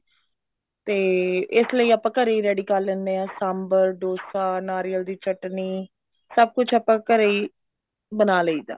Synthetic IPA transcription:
t̪eːɪsləiːaːpãːkəɾeiːɾɛːɖiːkaːlːẽːnd̪eːaːsambəɾɖoːsaːnaːɾiːəld̪iːt͡ʃəʈniː | səb̚kʊt͡ʃʰaːpãːkəɾeːiː | bənaːləiːd̪a̰ː

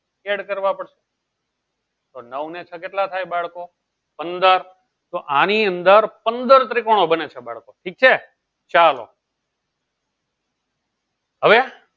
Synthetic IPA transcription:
eɽkəɾʋapəɽʃe̥ | t̪onəʋnet͡ʃʰəkeʈlat̪ʰajbaɭko | pənd̪əɾ | t̪oʔãniənd̪əɾpənd̪əɾt̪ɾikoɽ̃obənet͡ʃʰebaɭkoʈʰik̚t͡ʃʰe | t͡ʃalo̰ | ɦəʋe

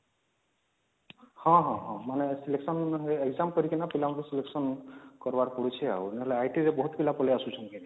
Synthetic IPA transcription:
hɔ̃ɦɔ̃ɦɔ̃manɛsileksɔnɦeɡzamkɔɾikinapilamakɛsileksɔnkɔɹbaɹpɔɽut͡ʃʰia̰uɛnɛɦɔlɛajʈiɹɛbɔɦut̪bilapɔlɛasusʰɔnkini

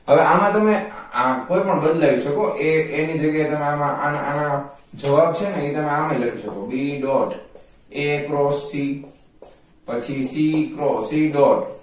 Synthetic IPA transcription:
ɦəʋeʔamãt̪əmeakoipəɳbənd̪laɾiʃəkoʔeenid͡ʒəɡjajet̪əmeamãʔananãd͡ʒəʋab̚t͡ʃʰeneet̪əmeamãiləkiʃəkobiɖɔʈ | ekɾɔsːi | pət͡ʃʰisikɾɔsiɖɔʈ

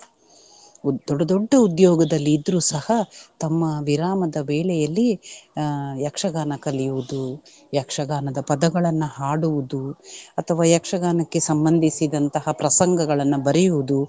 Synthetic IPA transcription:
d̪ɔɖɐd̪ɔɖːɐud̪jɔːɡɐd̪ɐlːiːd̪ɾuːsɐhɐt̪ɐmːɐʋiɾaːmɐd̪ɐʋɛːɭɛjɐlːi | jɐkʂɐɡaːnɐkɐlijuʋud̪u | jɐkʂɐɡaːnɐd̪ɐpɐd̪ɐɡɐɭɐnːuhaːɽuʋud̪uɐt̪ʰɐʋaːjɐkʂɐɡaːnɐkːe̞sɐmbɐnd̪ʱisid̪ɐnt̪ɐɦɐpɾɐsɐŋɡɐɡɐɭɐnːubɐɾɛjuʋud̪u

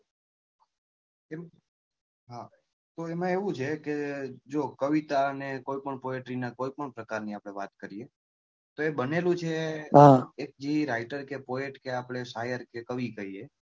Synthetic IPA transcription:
em | ɦa | t̪oemãeʋũt͡ʃʰeked͡ʒokəʋit̪aənekoipəɳpoeʈɾinakoipəɳpɾəkaɾniapɽ̃eʋat̪kəɾie | t̪oebənelũt͡ʃʰeɦaek̚d͡ʒiiɾaiʈəɾkepoeʈkeapɽ̃esajəɾkekəʋikəie

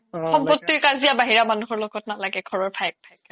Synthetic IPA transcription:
xɔmpɔtːiɹkaɹzijabaɦiɹamanuxɔɹlɔɡɔtnalaɡɛɡʱɔɹɔɹbʰʱajk̚bʰʱajka

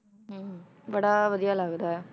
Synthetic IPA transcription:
ɦəm | bəɽaːʋəd̪ijaːlaːɡd̪aːɦɛ

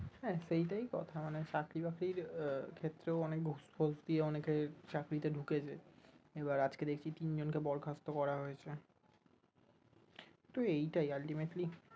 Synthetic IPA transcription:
ɦɛʃejʈajkɔt̪ʰamanet͡ɕakɾibakɾiɾkʰet̪ːɾeoɔnek̚ɡʱospʰosd̪ieɔneket͡ɕakɾit̪eɖʱuket͡ɕeeβaɾad͡ʑked̪ekʰt͡ɕʰit̪ind͡ʑonkebɔɾkʰast̪okɔɾaɦojet͡ɕʰe | t̪oejʈajalʈimeʈli

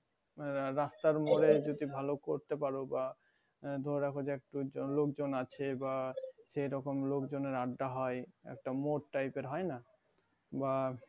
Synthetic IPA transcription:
ɾast̪aɾmoɾed͡ʑod̪ibʱalokoɾt̪epaɾoba | d̪ʱoɾɾakʰod͡ʑeɛk̚ʈulokd͡ʑonat͡ɕʰebaʃejɾɔkomlokd͡ʑoneɾaɖːaɦɔeɛ̰k̚ʈamoʈʈajpeɾɦɔena | ba

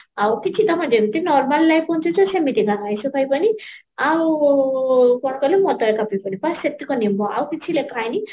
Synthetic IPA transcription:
awkit͡sʰit̪ɔpʰãd͡zeɾit̪inɔrmalːajpɔnt͡ʃʰut͡sʰɔsemiʈiɡanajsʰupʰajpʌni | aw | kɔɽkɔlemɔt̪ɔekapijpʌnipasek̚t̪ikonimbɔa̰wkit͡sʰilekajni

